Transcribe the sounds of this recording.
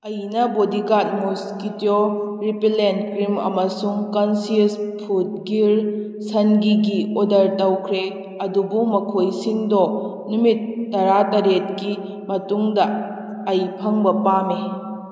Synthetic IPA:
ɐjnɐbodiɡat̚moskitioɾipilentkɾimɐ̰mɐsuŋkɐnsispʰut̚ɡiɾ | sɐnɡiɡiodɐɾtɐwkʰɾe | ɐdubumɐkʰojsiŋdɔ | numitːɐɾatɐɾet̚ki | mɐtuŋdɐː | jpʰɐŋbɐpame

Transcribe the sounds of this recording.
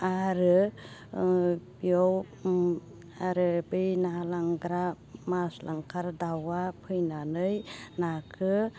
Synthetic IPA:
aɾɯ | bijɔw | aɾɯbɯjnalaŋɡɾa | maslʔaŋkʰaɾdawapʰɯjnanɯjnakʰɯ

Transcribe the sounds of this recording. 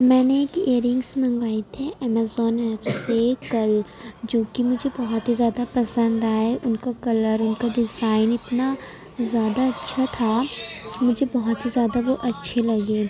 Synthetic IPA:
mɛ̃ːneeːkeːɾɪ̃ŋɡsmɐ̃ŋɡaːit̪ʰiʔɛːmaːzɔːnɛːpsekɐld͡ʒoːkimʊd͡ʒʱebɐɦɔt̪ɦizjaːd̪apɐsə̃nd̪aːeʔʊnkakɐləɾʊnkaɖɪzaːɪnɪt̪na | zjaːd̪aɐtːʃʰat̪ʰa | mʊd͡ʒʱebɐɦɔt̪ɦizjaːd̪aʋoʔɐtːʃʰelɐɡeː

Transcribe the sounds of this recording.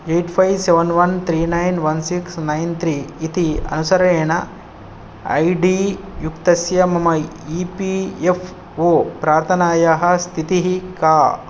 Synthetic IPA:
eːʈpʰɐjʋseʋɐnʋɐnt̪ʰɾiːnɐjnʋɐnsiksnɐjnt̪ɾiːt̪iɐ̰nusɐɾɐeːɳɐ | ɐ̰jɖiː | jukt̪ɐsjɐmɐmɐ | ipiefʰ | oːpɾaːɾt̪ʰɐnaːjaɦɐst̪ʰit̪iɦikaː

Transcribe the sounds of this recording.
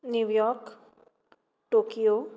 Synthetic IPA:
njuwjɔɾk | ʈoːkijo

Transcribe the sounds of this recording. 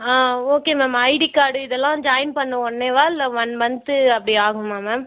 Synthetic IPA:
aːoːkeːmaːmɐɪɽikaːɽɯɪðɛlːãːd͡ʒaːjnpɐɳːɐɔɳːeːʋaːɪlːɐʋɐnʋɐnd̪ɯɐpːɐɽiaːɣʊ̃mːaːmaːm

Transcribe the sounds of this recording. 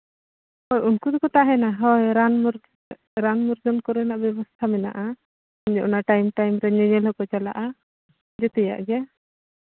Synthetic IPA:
hɔjunkud̪ɔkɔt̪aɦɛnaɦɔjɾanmɾ | ɾanmɔɾd͡ʒɔnkɔɾɛnaʔbjɛbɔst̪ʰamɛna̰ʔa | ɔɲd͡ʒɔʔɔnaʈajmʈajmɾɛɲɛɲɛlɦɔkɔt͡ʃala̰ʔa | d͡ʒɛt̪ɛja̰ʔɡɛ

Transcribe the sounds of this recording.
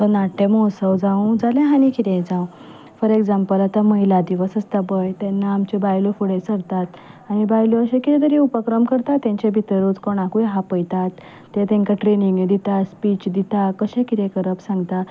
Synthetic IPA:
t̪ɔnaʈːemɔsəwd͡zãw̃d͡zalẽɦanikit̪ẽd͡zãw̃ | fəɾeɡd͡zampəlat̪aməɦilad̪iʋəsəst̪abəjt̪ɛ̃nːaːmt͡ɕebajlofuɽesəɾt̪at̪ | aɽ̃ibajloəɕẽkit̪ẽt̪ʰəɾiupəkɾəmkəɾt̪at̪ːẽɲt͡ɕebʱit̪əɾut͡skoɽ̃akujɦapəjt̪at̪ː | et̪ẽŋkaʈɾeniŋɡned̪it̪aspit͡ɕd̪it̪akəɕẽkit̪ẽkəɾəpsãŋɡt̪a

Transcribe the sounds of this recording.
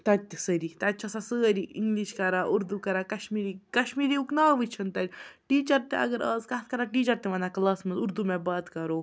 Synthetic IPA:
t̪ɐt̪səɾit̪ɐt͡ʃʰasasəːɾiḭŋɡliʃkɐɾaːʔuɾd̪ukɐɾaːkɐʃmiːɾikɐʃmiːɾiuknaːʋɨt͡ʃʰɐnt̪ɐdʲʈiːt͡ʃɐɾt̪ẽɐ̰ɡəɾɐːzkɐt̪̚ʰkɐɾaʈiːt͡ʃɐɾt̪eʋɐnakɐlaːsmɐzuɾd̪umɛ̃baːt̪kɐɾoː

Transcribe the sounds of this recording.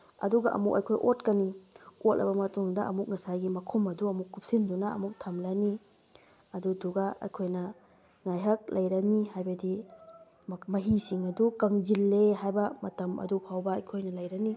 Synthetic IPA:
ɐ̰duɡɐʔɐ̰muk̚ɐ̰jkʰojʔotkɐniot̚lɐ̰bɐmɐtuŋdɐɐ̰muk̚ŋɐsajɡimɐkʰumɐduɐmukːup̚sindunɐɐ̰muk̚tʰɐmlani | ɐduduɡaɐ̰jkʰojnɐ | ŋajɦɐk̚lʔɐjɾɐnihajbɐdi | mɐɦisiŋɐdukɐŋzilːeɦajbɐmɐtɐmɐ̰dupʰawbɐːjkʰojnɐlɐjɾɐni

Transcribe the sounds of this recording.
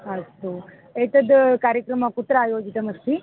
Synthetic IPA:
ɐst̪u | et̪ɐd̪kaːɾjɐkɾɐmɐkut̪ɾaːjoːd͡ʒit̪ɐmɐst̪i

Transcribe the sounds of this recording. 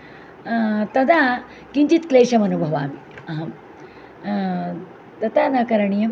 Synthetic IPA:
t̪ɐd̪a | kint̪it̪kleːʂɐmɐnubʱɐʋa̰ːmiɐɦɐm | t̪ɐt̪anɐkɐɾɐɳijɐm

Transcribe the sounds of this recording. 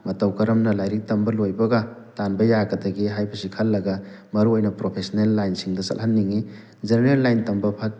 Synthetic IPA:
mɐtɐwkɐɾɐmnɐlajɾik̚tɐmbɐlojbɐɡɐtanbɐjaɡɐdɐɡiɦajbɐsikʰɐlːɐɡɐ | mɐɾuojnɐpɾopʰesnelːajnsiŋdɐsɐ̰lhanːiŋi | zeɾnelːajntɐmbɐpʰat̚

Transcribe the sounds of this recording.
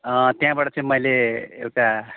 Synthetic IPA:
ʌ̃t̪jɦãbaʈʌt͡sʌ̃ĩmʌjleewʈa

